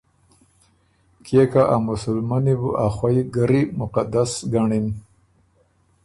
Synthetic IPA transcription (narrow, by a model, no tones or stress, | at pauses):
kʰekaʔamʊsʊlmanibuʔaxwaiɡaɾimʊqad̪asɡaɳim